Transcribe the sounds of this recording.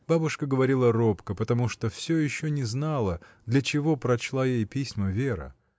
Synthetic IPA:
b̥abʊʂkəɡəvɐɾʲilˠəropkəpət̪ɐmuʂt̪ofsʲojɪɕːonʲɪznalˠəd̪lʲɐt͡ɕɪvo̞pɾɐt͡ɕlˠajejpʲisʲməvʲeɾə̰

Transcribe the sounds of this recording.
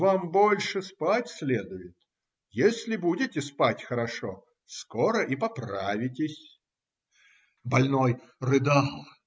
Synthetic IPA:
vambo̞lʲʂɨspatʲsʲlʲed̪ʊjɪt̪ | jesʲlʲɪbudʲɪtʲɪspatʲxəɾɐʂo̰ | skoɾəʔipɐpɾavʲɪtʲɪsʲ | bɐlʲnojrɨd̪alˠ

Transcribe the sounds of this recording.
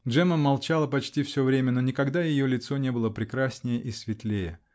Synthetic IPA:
dʐɛməmɐlˠt͡ɕalˠəpɐt͡ɕtʲifsʲovɾʲemʲəno̞nʲɪkɐɡd̪ajɪjolʲɪt̪sonʲe̞bɨlˠəpɾʲɪkɾasʲnʲɪjəʔɪsʲvʲɪt̪lʲejə

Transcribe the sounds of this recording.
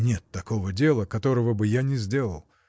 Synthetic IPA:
nʲe̞t̪ːɐko̞vədʲe̞lˠəkɐt̪o̞ɾəvəbɨjanʲɪzʲdʲe̞lˠə̰lˠ

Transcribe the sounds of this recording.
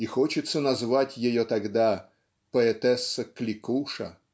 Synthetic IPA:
ixot͡ɕɪt̪sənɐzvatʲjɪjot̪ɐɡd̪a | pəɛt̪ɛsːəklʲɪkuʂə̰

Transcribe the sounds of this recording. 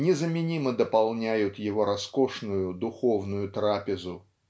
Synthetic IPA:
nʲɪzəmʲɪnʲiməd̪əpɐlˠnʲæjʊt̪jɪvo̞ɾɐsko̞ʂnʊjʊd̪ʊxo̞vnʊjʊt̪ɾapʲɪzʊ

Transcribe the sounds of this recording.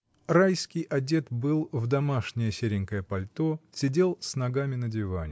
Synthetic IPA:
ɾajskʲɪjʔɐdʲe̞t̪bɨlˠvd̪ɐmaʂnʲɪjəsʲeɾʲɪŋʲkəjəpɐlʲt̪o̞sʲɪdʲe̞lˠsnɐɡamʲɪnədʲɪva̰nʲɪ

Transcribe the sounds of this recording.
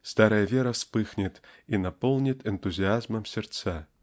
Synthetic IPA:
st̪aɾəjəvʲeɾɐspɨxnʲɪt̪inɐpolˠnʲɪt̪ɛnt̪uzʲɪazmɐmsʲɪrt̪sa

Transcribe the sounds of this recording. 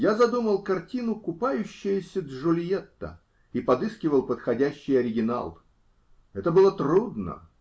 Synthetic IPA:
jazɐd̪uməlˠkɐrtʲinʊkʊpajʉɕːɪjəsʲəd̪ʐʊlʲjet̪ːə̰ | ipɐd̪ɨskʲɪvəlˠpət̪xɐdʲæɕːɪjɐɾʲɪɡʲɪna̰lˠ | ɛt̪əbɨlˠət̪ɾud̪nə̰

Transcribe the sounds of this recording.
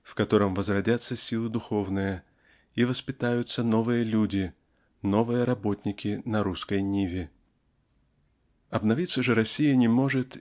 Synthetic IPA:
fkɐt̪o̞ɾəmvəzrɐdʲat̪sːəsʲilˠɨd̪ʊxo̞vnɨjə | ivəspʲɪt̪ajʊt̪səno̞vɨjəlʲudʲɪ | no̞vɨjəɾɐbo̞t̪ʲnʲɪkʲɪnɐɾuskəjnʲivʲɪ | ɐbnɐvʲit̪sːəʐɨɾɐsʲijənʲɪmo̞ʐɨt̪

